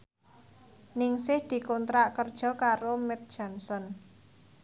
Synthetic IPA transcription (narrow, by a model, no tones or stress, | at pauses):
nɪŋsɪhd̪̥i̤kɔnt̪ɾaʔkərd̥ʒ̥ɔ̤kaɾomɛt̪̚d̥ʒ̥ɔ̤nsɔn